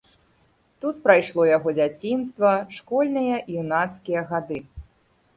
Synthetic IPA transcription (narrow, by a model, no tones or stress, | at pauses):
t̪ut̪pɾajʂlˠɔjaɣɔd͡zʲat͡sʲinst̪vɐʂkɔlʲnɨjɐʔiunat̪skʲijɐɣad̪ɨ